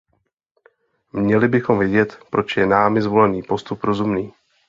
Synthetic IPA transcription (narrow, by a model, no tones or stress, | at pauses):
mɲɛlɪbɪxo̞mvjɛɟɛt̪pɾo̞t͡ʃjɛnaːmɪzvo̞lɛniːpo̞st̪upɾo̞zumniː